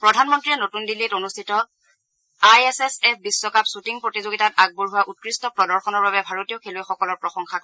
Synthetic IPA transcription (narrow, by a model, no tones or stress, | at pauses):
pɹɔdʱanmɔntɹiɛnotundilːitonustʰitɔ | ajɛsesɛpʰbisːɔkapsutiŋpɹotizoɡitataɡ̚buɹɦuwaʔut̚kɹistɔpɹɔdɔɹxɔnɔɹbabɛbʱaɹotijɔkʰelojxɔkɔlɔɹpɹɔxɔŋxak